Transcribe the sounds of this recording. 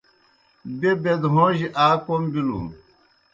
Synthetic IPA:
bebed̪ɦõːʑiʔaːkombilṵ

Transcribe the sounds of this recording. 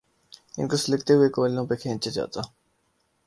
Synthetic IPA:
ɪ̰nkoslɪkt̪eɦʊekoːlːõːpekʰẽːt͡ʃed͡ʒa̰ːt̪aː

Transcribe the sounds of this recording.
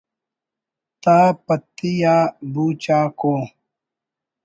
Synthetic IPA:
t̪aːpɐt̪ːijaːbuːt͡ɕaːkoː

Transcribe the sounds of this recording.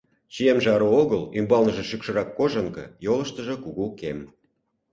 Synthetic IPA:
t͡ɕijemʒeɑɾooɣəlymbɑlnəʒĕʃykʃɤ̆ɾɑkːoʒə̆ŋkɤ̰̆jolə̆ʃt̪ə̆ʒɤ̆kuɣukem

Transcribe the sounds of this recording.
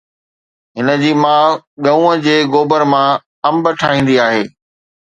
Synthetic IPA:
ɦɪnəd͡ʑiːmãːɠɐũːəd͡ʑeːɣoːbəɾmã | ɐ̃mbəʈʰaːɦĩːn̆d̪iaːɦeː

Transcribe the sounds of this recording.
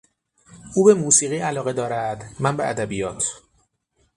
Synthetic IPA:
uːbe̞muːsiːɣiːʔælɒːɣe̞d̪ɒːɾæd̪̥mænbeʔæd̪æbijɒːt̪ʰ

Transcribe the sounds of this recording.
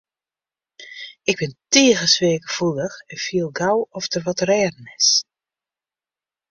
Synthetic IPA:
ɪɡ̚bɪnteːɣəsʋeːkəfulˠəxɛnfiəlˠɡawɔftərʋɔtrɛːdən̩ɪs

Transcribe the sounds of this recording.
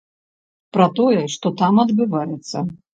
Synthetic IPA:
pɾɐt̪ɔjɛʂt̪ɔt̪amɐd̪bɨvajɛt̪sːɐ

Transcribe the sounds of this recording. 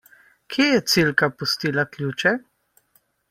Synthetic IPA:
kʰeːjɛt̪silkapust̪iːlaklʲjut͡ʃɛ

